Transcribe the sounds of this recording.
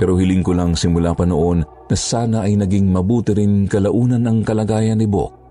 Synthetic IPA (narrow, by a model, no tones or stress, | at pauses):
pɛɾohɪlɪŋkʊlaŋsɪmʊlaːpɐnoʔo̞nːɐsaːnɐʔɐjnɐɡiŋmɐbuːt̪ɪɾɪnkɐlɐʔuːnɐnɐŋkɐlɐɡaːjɐnːɪbo̰k̚